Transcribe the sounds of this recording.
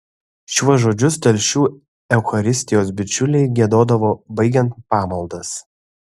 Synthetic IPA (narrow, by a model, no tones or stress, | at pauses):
ʃʲuɔʒoːd͡ʒʲʊst̪ɐlʲʃʲuː | ɛʊxɐɾʲɪsʲt̪ʲɪjoːsbʲɪt͡ʃʲʊlʲɛɪɡʲiɛd̪oːd̪ɐʋoːbɐɪɡʲɛnt̪̚pɑːmɐlˠd̪ɐs